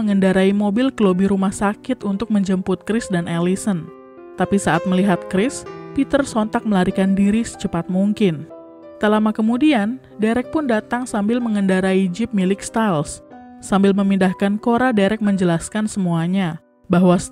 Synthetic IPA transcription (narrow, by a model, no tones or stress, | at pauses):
əŋəndaɾaimobɪlkəlobiɾumahsakɪt̪unt̪ʊk̚məɲd͡ʒəmpʊt̪̚kɾɪsdanʔelisən | t̪apisaʔat̪̚məliɦat̪̚kɾɪspit̪ərsɔnt̪ak̚məlaɾikandiɾisə̥t͡ʃəpat̪̚muŋkɪn | t̪əlamakəmudian | deɾɛk̚pʊndat̪aŋsambɪlməŋəndaɾaid͡ʒɪp̚milɪkst̪als | sambɪlməmindahkankoɾadeɾɛk̚məɲd͡ʒəlaskansəmuaɲa | baɦwa